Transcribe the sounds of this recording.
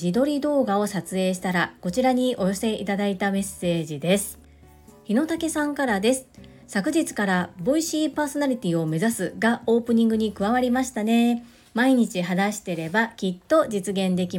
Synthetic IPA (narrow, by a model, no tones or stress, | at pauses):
id̪o̞ɾʲid̪o̞ːɡao̞sat͡sɨe̞ːɕ̬i̥t̪aɾako̞t͡ɕiɾaɲ̟iʔo̞jo̞se̞it̪ad̪ait̪ame̞sːe̞ːʑid̪e̞sɨ̥ | çino̞t̪ake̞sãŋkaɾad̪e̞sɨ̥ | sakɯ̟ʑit͡sɨ̥kaɾaboiɕiːpaːso̞naɾʲit̪ʲiːo̞me̞zasɨɡao̞ːpɯ̟ɲ̟ĩŋɡɯ̟ɲ̟ikɯ̟βaβaɾʲimaɕi̥t̪ane̞ | maiɲ̟it͡ɕiɦanaɕi̥t̪e̞ɾe̞bakʲit̪ːo̞d͡ʑit͡sɨɡẽ̞nd̪e̞kʲi